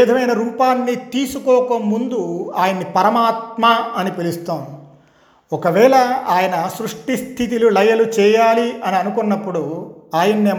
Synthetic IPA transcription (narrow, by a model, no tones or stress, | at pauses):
id̪ʱɐmɐjnɐɾumpaːnːit̪iːsukɔːkɐmːund̪uaːjɐnːipɐɾɐmaːt̪̚maːɐnipilist̪oːnd̪i | ɔkɐʋɛːlɐaːjɐnɐsɾuʂʈist̪ʰit̪̬ilulɐjɐlut͡ʃɛːjaːliʔɐniɐnukunːɐpːuɽuaːjɐnːeː